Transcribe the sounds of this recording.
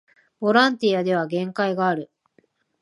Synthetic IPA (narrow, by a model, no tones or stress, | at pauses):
b̥o̞ɾãnt̪ijad̪e̞β̞aɡẽ̞ŋkaiɡaːɾɯ̟